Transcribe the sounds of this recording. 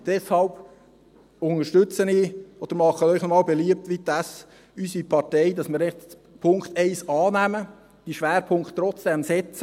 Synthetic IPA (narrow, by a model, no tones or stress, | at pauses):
d̥ɛshɑlb | ʊnŋəʃtɵt͡səniːɔd̥əɾmɑχəœʏχnɔmɑːlbeliəp̚tʋid̪æs | ysipʰɑtɛɪdɑsmɪːɾɛχt | pʰʊŋkt̪ɛɪsɑːnæmə | d̥iʃʋæːɾpʰʊŋkχtːɾɔt͡sd̥ɛmsɛt͡sə